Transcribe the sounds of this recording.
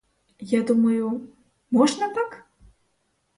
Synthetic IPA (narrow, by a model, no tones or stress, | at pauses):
jad̪umɐju | mɔʐnɐt̪ak